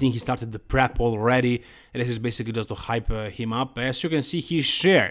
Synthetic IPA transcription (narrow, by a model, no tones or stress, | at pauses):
θɪ̃ŋkhistɑɹt̪ɨd̪̚ðəpʰɹɛpʰɔlˠɹɛɾĩ | ɪsɪzbejsɪklid͡ʒʌst̪uhajphɪ̃mʌpɛsjukɛ̃nsihizʃɛɹ